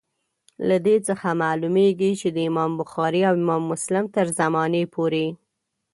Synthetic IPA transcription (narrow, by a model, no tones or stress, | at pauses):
lad̪et͡səxamalumeɡit͡ʃed̪əɪmɑmbʊxɑɾiawɪmɑmːʊslɪmt̪əɾzamɑnepʰoɾe